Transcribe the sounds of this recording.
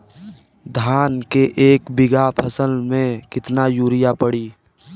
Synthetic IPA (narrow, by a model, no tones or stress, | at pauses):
d̪ʱaːnkeʔeːkbɪɡapʰəsəlmẽkɪt̪najuːɾɪjapəɽiː